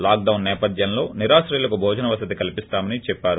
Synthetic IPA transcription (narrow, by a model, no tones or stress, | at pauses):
laːk̚ɖɐwnːɛːpɐd̪jɐnlo̞ːniɾaːʃɾɐjulɐkubʱɔːd͡ʒɐnɐʋɐsɐd̪ikɐlipist̪aːmɐnit͡ʃɛpːaːɾu